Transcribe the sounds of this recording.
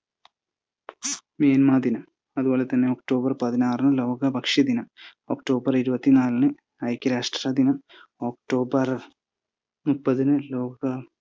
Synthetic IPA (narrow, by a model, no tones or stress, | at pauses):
meːnmaːd̪inɐm | ɐðubo̞ːlet̪ɐnːe̞okʈo̞ːbɐrpɐðinaːrnɨlo̞ːɡɐbʱɐkʂid̪inɐm | oːkʈo̞ːbɐriɾubɐt̪ːinaːlnɨ | ɐjkʲːɐɾaːʂʈrad̪inɐm | oːkʈo̞ːbɐr | mupːɐðinɨlo̞ːɡɡɐ